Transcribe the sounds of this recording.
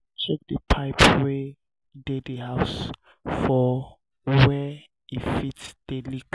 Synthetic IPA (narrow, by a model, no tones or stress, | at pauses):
t͡ʃʰɛk̚dəpʰaɪpwe | dediɦaws | fɔ | wɛ | ifitd̥elik